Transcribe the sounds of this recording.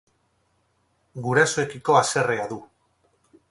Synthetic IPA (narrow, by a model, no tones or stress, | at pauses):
ɡuɾasoe̞kiko̞ase̞re̞aðu